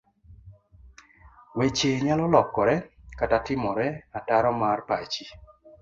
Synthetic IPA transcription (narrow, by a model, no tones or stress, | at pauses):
wet͡ʃeɲalɔlɔkːɔɾɛkatatɪmɔɾɛataɾɔmarpat͡ʃi